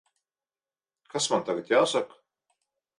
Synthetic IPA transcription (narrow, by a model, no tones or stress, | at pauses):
kasmant̪aɡat̪ʲjaːsak